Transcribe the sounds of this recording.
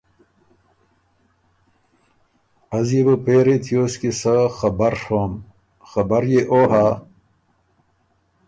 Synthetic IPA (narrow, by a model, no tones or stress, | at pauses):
ɐzjebɐpeːɾet̪ʰijoːskisɐxɐbɐɾʂoːm | xɐbɐɾjeʔoːɦa